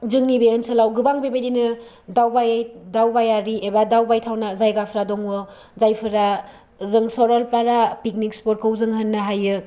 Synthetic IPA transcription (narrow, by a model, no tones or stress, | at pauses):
zɯŋnibeɯnsɯlawɡɯbaŋbebajdinɯ | dawbajdawbajaɾiʔebadawbajtʰawnazajɡapʰɾadɔŋwɯ | zajpʰɯɾa | zɯŋsɔɾɔlpaɾapik̚nikspoɾ̚kʰɯwzɯŋɦɯnːaɦajɯ